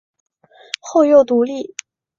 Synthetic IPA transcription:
xo˥˧ʊjo˥˩ʊt̪u˧˥li˥˩

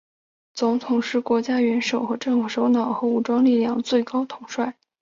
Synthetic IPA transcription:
t͡sʊ˧˥ŋt̪ʰʊ˨˩ŋʂɻ̩˥˩kwɔ˧˥t͡ɕja˥ɥɛ˧˥nʂo˨˩ʊxɤ˧˥ʈ͡ʂɤ˥˩ŋfu˨˩ʂo˧˥ʊnɑ˨˩ʊxɤ˧˥u˨˩ʈ͡ʂwɑ˥ŋli˥˧ljɑ˥˧˩ŋt͡swe˥˩ɪkɑ˥ʊt̪ʰʊ˨˧˥ŋʂwa˥˩ɪ

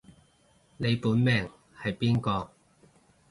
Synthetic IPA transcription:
ne˨˧jpuː˨˥nmɛː˨˩ŋ | hɐ˨jpiː˥nkɔː˧

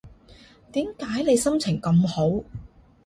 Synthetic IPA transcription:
t̪iː˨˥mkaː˨˥jne˨˧jsɐ˥mt͡sʰɪ˨˩ŋkɐ˧mho˨˥w

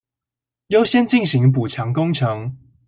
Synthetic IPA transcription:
jo˦ʊɕjɛ˥˦nt͡ɕi˥˨nɕi˨˦ŋp̬u˨˩ʈ͡ʂʰɑ˨˦ŋkʊ˥ŋʈ͡ʂʰɤ˨˦ŋ

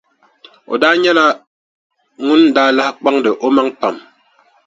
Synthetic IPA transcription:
o̰˨daː˦ɲɛ˦la˦ | ŋʊ˦ndaː˦la˦hk͡pa˦ŋdɨ˨ʔo˦ma˦ŋpa˨m

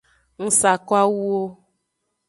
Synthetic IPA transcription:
ŋ̩˨sa˨kwa˦wu˦o˦

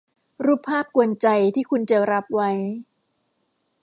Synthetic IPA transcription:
ɾuː˥˩pʰːaː˥˩p̚ku˧ənt͡ɕa˧jt̪ʰiː˥˩kʰu˧nt͡ɕa˧ɾa˦˥p̚wa˦˥j

